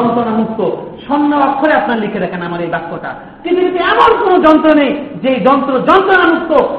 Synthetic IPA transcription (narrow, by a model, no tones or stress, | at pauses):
ɔnt̪ɾɔnanut̪ːoʃɔnːɔbakʰːoɾeapnaɾlikʰed̪ɛkʰenamaɾejbaspɔʈa̰ | kint̪ukit̪uamɔɾkonod͡ʒɔnt̪ɾonejd͡ʒejd͡ʒɔnt̪ɾod͡ʒɔnt̪ɾɔnanut̪ːo